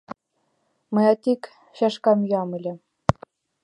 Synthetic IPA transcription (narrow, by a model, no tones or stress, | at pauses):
mɤ̆jɑt̪ʲik | ɕɑʃkɑmjɑmɘ̆lʲɘ̆